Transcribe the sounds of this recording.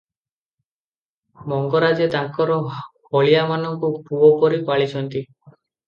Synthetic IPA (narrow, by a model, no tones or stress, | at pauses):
mɔŋɡɔɾad͡ʒɔt̪aŋkɔɾɔhoɭijamanɔŋkupuɔpɔɾipaɭit͡ʃʰɔnt̪i